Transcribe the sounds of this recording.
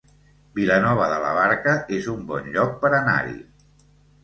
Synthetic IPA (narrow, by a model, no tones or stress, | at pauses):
bilənɔβ̞əðələ̰β̞aɾkəʔezumbɔnʎɔk̚pəɾəna̰ɾḭ